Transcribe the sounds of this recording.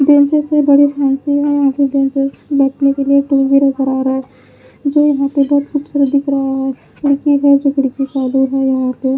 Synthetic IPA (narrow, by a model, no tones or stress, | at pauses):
ɖẽːnt͡ʃəsebɐɽipʰaːnsiɦɛjɐɦãkeɖẽːnt͡ʃezbɛːʈʰnekeliekʈoːlɡinɐzəɾaːɾaɦɛ | d͡ʒoːjɐɦãpebɔɦt̪xuːbsuɾəd̪ʱɪkɾɐɦaɦɛ | kɪɽkiɦɛd͡ʒokɪɽkit͡ʃaːluɦɛjɐɦãp̪e